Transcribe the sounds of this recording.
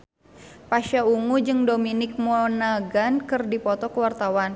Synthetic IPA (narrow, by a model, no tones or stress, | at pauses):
paʃauŋud͡ʒɨŋdominɪk̚mɔnaɡankɨrdipɔt̪ɔkəwart̪awan